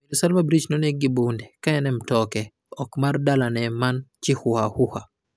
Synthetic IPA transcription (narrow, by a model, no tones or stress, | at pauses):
iɾusalmabɾid͡ʒnɔneɡibundɛkaɛnɛmtɔkɛ | ɔkmardalanɛmant͡ʃɪhʊhahʊha